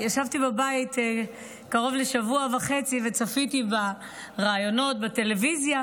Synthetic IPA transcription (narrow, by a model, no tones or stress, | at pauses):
jaʃavtibabait | kaʁo̞vleʃavuavaχe̞t͡sive̞t͡safitiba | ʁaːjo̞no̞t̚bate̞le̞vizja